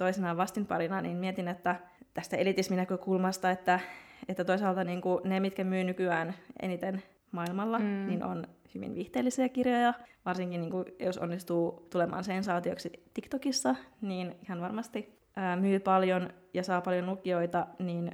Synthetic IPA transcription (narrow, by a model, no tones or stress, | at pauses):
t̪oisinɑːʋɑst̪inmpɑ̰ɾinɑnḭːnmiet̪inet̪ːæ | t̪æst̪æelit̪isminækøkulmɑst̪ɑet̪ːæet̪ːæt̪oisɑːlt̪ɑniːŋkunemit̪kæmyːnykyæːnḛnit̪en | mɑilmɑlːɑninʔo̰nhyʋḭnʋiht̪eːlːisiækirjojɑʋɑrsiŋkiniːŋkujoso̰nːist̪uːt̪ulemʔɑ̰ːnsensɑːt̪ioksit̪ikt̪okisːɑniːnihɑnʋɑrmɑst̪i | ʔəːmyːpɑljonjɑsɑːpɑljonlukioit̪ɑniːn